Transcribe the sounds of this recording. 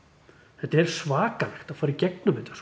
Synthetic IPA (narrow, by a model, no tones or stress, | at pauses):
θɛht̪aɛɾ̥svaːkalɛxt̪aðfaːɾɪɾicɛk̚nʏmɪnt̪ḁs